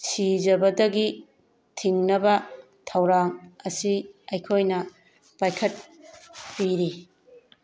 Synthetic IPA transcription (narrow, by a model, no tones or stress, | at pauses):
sid͡ʒɐbɐdɐɡi | tʰiŋnɐbɐ | tʰɐwɾaŋɐsiɐjkʰojnɐ | pajkʰɐt̚piɾi